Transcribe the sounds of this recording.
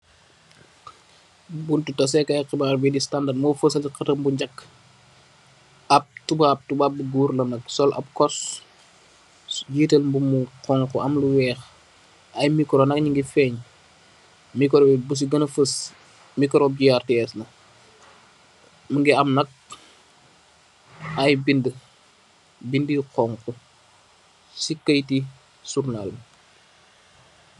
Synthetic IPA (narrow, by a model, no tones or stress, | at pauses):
buntutɐs̬ɛkɐjqibaːrbidistandamɔfəsɐlqɐtəmbuɲɟɐkː | ɐp̚tubaːp̚tubaːp̚luɡuːrlɐnɐk̚sɔlʔɐ̰p̚kɔs | ɟiːtəlmbumuqɔŋkɔʔɐmluwɛːx | ɐjmikɾonɐk̚ɲiŋɡifɛːɲ | mikɔɾɔbɛbus̬iɡɐnɐfəs | mikɾɔɟijartɛsnɐ | məŋɡiɐmnɐk̚ | ɐjbində | bindiqɔŋku | sikːəjti | surnal